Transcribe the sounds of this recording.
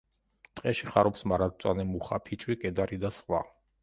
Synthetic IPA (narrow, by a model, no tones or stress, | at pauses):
t̪ʼqʼɛʃiχaɾɔpsmaɾat̪̚t̪sʼwanɛmuχa̰pʰit͡ʃʼwiɡʼɛd̪aɾid̪asχʼwa̰